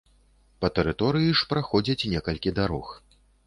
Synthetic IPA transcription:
pɐt̪ɛɾɨt̪ɔɾɨjiʂpɾaxɔd͡zʲɐt͡sʲnʲɛkɐlʲkʲid̪aɾɔx

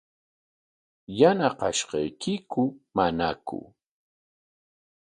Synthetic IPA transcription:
janaqɑʃɢɑjkʰɪkʊmanakʊ̰

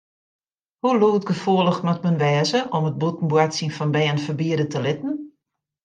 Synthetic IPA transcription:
huluːt̚ɡəfoəlˠəxmɔtmənʋɛːzəʔɔmət̚butn̩bwatsinfɔnbɛːənfərbiədətəlɪtn̩

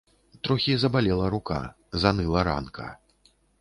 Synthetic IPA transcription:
t̪ɾɔxʲizɐbalʲɛlˠɐɾuka̰ | zanɨlˠɐɾa̰nkɐ̰

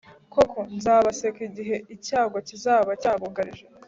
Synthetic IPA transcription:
ko̞kʰo̞nzaːβasekiɟiɦe̞icaːɡocizaːβacaːβoɡaɾiʒe

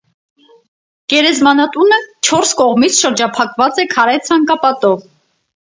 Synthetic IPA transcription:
ɡ̥ɛɾɛzmɑnɑt̪unət͡ʃʰɔɾskɔʁmit͡sʰʃəɾd͡ʒɑpʰɑkvɑt͡sɛkʰɑɾɛt͡sʰɑŋkɑpɑt̪ɔv

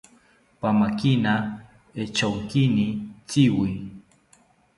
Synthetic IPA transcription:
pamakɪna | et͡ʃawkɪnɪt͡sɪwij

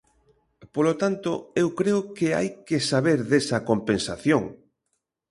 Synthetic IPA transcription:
polot̪ant̪oewkɾeʊkea̰jkesaβeɾðesɐkompensaθjoŋ

